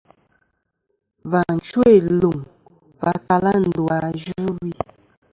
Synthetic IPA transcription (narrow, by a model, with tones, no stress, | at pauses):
va˨n̩˨t͡ʃwe˦˨lu˨ŋ | va˨ta˨la˦n̩˨dwa˨ʒʉ˦wi˦